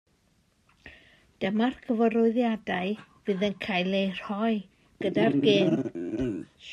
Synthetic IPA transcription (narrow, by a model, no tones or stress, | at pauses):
d̥əmarkʰəvəɾɔɨðjadaɨvɨðənkʰajlejr̥hɔɨ | ɡ̥ədarɡeːn